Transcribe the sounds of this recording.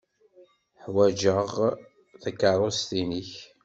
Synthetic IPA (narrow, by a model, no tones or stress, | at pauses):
ħwæd͡ʒəʁ | θəkːɑɾˤost̪iniç